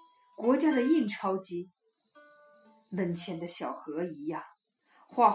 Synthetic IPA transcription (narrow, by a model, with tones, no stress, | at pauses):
kwɔ˧˥t͡ɕja˥d̪ə˨i˥˩nʈ͡ʂʰɑ˥ʊt͡ɕi˥ | mə˨˩nt͡ɕʰjɛ˧˥nd̪ə˧ɕjɑ˨˩ʊxɤ˧˥i˧˥ja˥˩ŋ | xwa˥˧